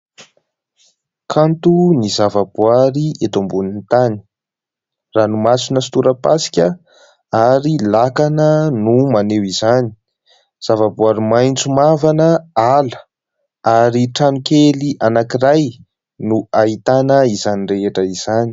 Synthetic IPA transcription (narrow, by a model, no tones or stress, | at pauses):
kʰant̪unizavabuaɾiet̪ombunint̪ani̥ | ranumasunəsi̥t̪uɾəpasi̥kʲə | aɾilakanənumanewizani̥ | z̥avabuaɾimajnt͡sumavanəalə̥ | aɾiʈ͡ʂanukeliʔanakiraj | nuait̪anəizaniɳreeʈ͡ʂəiz̥ani̥